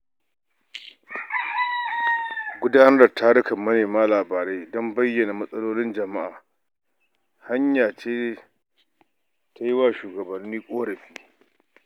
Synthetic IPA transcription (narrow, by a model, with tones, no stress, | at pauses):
ɡʷʊ˦daː˦nɐ˦rda˨tʰaː˦ɽɪ˦kɐ˨mːɐ˦neː˨maː˦laː˨baː˨ɾe˦dɔ˦mbɐ˦jːɐ˨na˨mɐ˦sʼɐ˦loː˦lɪ˦nd͡ʒɐ˨ma˦ʔaː˨ | ha˦ɲjaː˨t͡ʃeː˦ | ta˦jɪ˦waː˦˨ʃuː˨ɡɐ˨bɐ˨nːiː˦kʷʼoː˦ɽɐ˨ɸiː˦